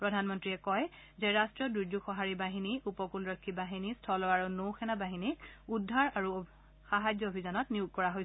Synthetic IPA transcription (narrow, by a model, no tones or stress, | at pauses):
pɹɔdʱanmɔntɹiɛkɔj | zɛɹastɹɔduɹd͡ʒuxɔɦaɹibaɦiniupɔkulɹɔkʰːibaɦinistʰɔlɔaɹunowxɛnabaɦinik̚udʱːaɹaɹu | xaɦazjɔobʱizɔnɔtniuɡ̚kɔɹaɦojsɛ